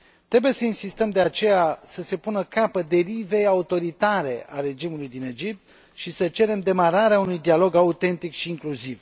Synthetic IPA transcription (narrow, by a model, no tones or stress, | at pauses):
t̪ɾe̞buje̞səinsist̪əmd̪e̞at͡ʃe̞jasəse̞punəkapəd̪e̞ɾive̞jaut̪o̞ɾit̪aɾe̞ʔaɾe̞d͡ʒimulujd̪ine̞d͡ʒip̚t̪ | ʃisət͡ʃe̞ɾe̞md̪e̞maɾaɾeaunujd̪ialo̞ɡaut̪e̞nt̪ikʃiːŋkluziv